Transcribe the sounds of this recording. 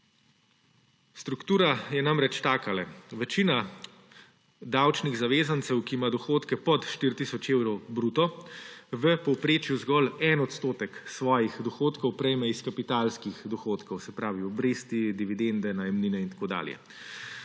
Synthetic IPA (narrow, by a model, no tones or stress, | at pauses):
st̪ɾukt̪uːɾajɛnamɾɛt͡ʃt̪aːkalɛʋɛt͡ʃiːna | d̪awt͡ʃniɣzaʋeːzant̪sɛwkimad̪ɔxoːt̪kɛpɔt̪ʃt̪iɾt̪isɔt͡ʃeːwɾɔwbɾuːt̪ɔ | ʋəpɔwpɾeːt͡ʃjuzɡɔlɛnɔt̪st̪oːt̪ɛksʋɔːjixd̪ɔxoːt̪kɔwpɾɛjmɛiskapit̪alskixd̪ɔxoːt̪kɔwsɛpɾaːʋiɔbɾeːst̪id̪iʋid̪end̪ɛnajɛmniːnɛint̪akoːd̪a̰ːljɛ̰